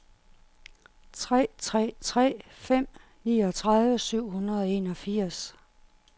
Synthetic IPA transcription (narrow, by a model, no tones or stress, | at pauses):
ʁɛt͡sʰʁɛ̰ːfem̰ | niːɒ̽t͡sʰʁaðˠʋəsyʊ̰hunɐðˠɒ̽e̝nɒ̽fiɐ̰s